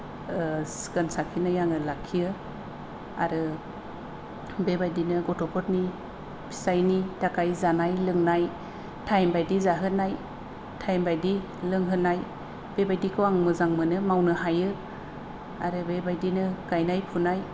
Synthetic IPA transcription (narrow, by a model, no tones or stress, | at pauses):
skɯnsakʰinajaŋɯlakʰːiɯ | a̰ɾɯ | bebajdinɯɡɔtʰɔpʰɔtni | pʰi̥sajnitakajzanajlɯŋnaj | tʰajmbajdizaɦɯnaj | tʰajmbajdi | lɯŋɦɯnaj | b̥ebajdikʰɯwaŋmɯzaŋmɯnɯmawnɯɦajɯ | a̰ɾɯbebajdinɯɡajnajpʰunaj